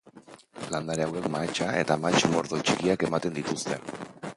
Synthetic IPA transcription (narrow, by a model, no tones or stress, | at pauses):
land̪aɾeawe̞kmat͡ʃae̞t̪amat͡ʃmo̞ɾðo̞t͡ʃikiake̞mat̪e̞nd̪it̪ust̪e̞